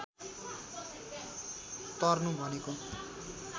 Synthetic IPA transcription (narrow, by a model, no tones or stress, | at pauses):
t̪ʌrnũbʱʌneko